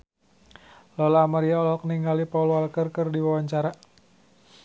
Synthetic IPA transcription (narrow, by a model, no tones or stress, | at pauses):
lɔlamaɾiaɔlɔk̚niŋɡalipaulwalkərkɨrdiwawaɲt͡ʃaɾa